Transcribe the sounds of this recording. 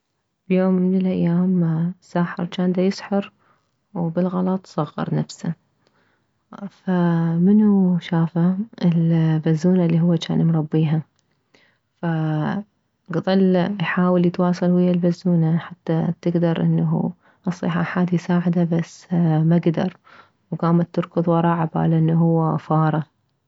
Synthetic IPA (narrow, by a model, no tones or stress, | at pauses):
b̥joːmːɪnɪlʔajːaːmsaːħɪ̰ɾˤt͡ʃaːnd̪ajɪsħɑɾ | wbɪlɣɑlɑt̪ˤsˤɑɣːɑ̰ɾˤnafsa | famɪnuʃaːfaʔɪlbazːuːnalːiɦʊwːat͡ʃa̰ːnɪmɾˤɑbːiːɦa | fa | ɡðˤɑlːjħaːwɪljɪt̪wɑːsˤɨlwɪjːalbazːuːnaħat̪ːat̪ɪɡd̪ɑɾˤʔɪ̰nːaṵ | ʔɑsˤːḭħaħaːd̪ijsaːʕɪd̪abasːmaɡd̪ɑ̰ɾˤ | wɡaːmat̪ːʊɾkʊðˤwɑɾˤɑːʕaba̰ːlaʔɪnːuɦʊwːafɑːɾˤɑ